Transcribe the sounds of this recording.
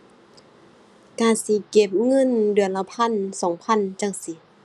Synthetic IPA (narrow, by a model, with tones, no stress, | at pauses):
kaː˧˩˨nsi˧˦ke˧˦p̚ŋɤ˧˥˨ndɯ˨˦ənla˧˩wpʰa˧˥˨nsɔː˨˦ŋpʰa˧˥˨nt͡ɕa˧˥˨ŋsi˧˦